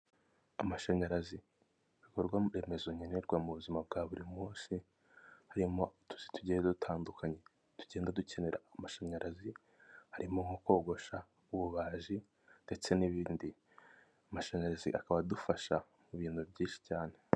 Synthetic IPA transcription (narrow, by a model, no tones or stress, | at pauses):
amaʃaɲaɾazi | βikoɾɡwaɾe̞mezoɲeneɾɡwamuβuzimab̚ɡaːβuɾimuːnsi | haɾimo̞tu̥si̥tuɟeːndadutʰaːndukʰaɲe̞ | tu̥ɟe̞ːndaduce̞ne̞ɾa̰ːmaʃaɲaɾʔazi | haɾimoŋoko̞ːɡo̞ʃa | uβuβaːʒi | d̥e̞t͡se̞niβiːndi | amaʃaɲaɾazḭʔakaβadufaʃa | muβiːn̥hubɟiːnʃi̥caːne̞